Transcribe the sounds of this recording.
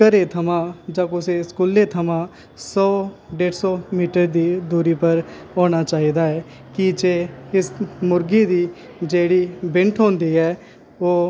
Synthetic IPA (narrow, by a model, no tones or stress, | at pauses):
kəɾeːt̪ʰəmãːd͡ʒãːkʊseːskʊlːeːt̪ʰəmãː | sɔːɖeːʈsɔːmiːʈəɾd̪iːd̪uːɾiːpəɾ | ɔːñaːt͡ʃaːiːd̪aːɛː | kɪd͡ʒeːɪsmʊɾɡiːd̪iː | d͡ʒeːɽiːbɪɳʈʰɦɔ̃ːnd̪iːɦɛː | oː